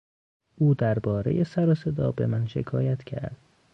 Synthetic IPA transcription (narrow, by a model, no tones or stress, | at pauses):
ʔuːd̪æɾbɒːɾe̞̰jesæɾose̞d̪ɒːbe̞̰mænʃe̞̰kʰɒːjæt̪cʰæ̰ɾd̪̥̚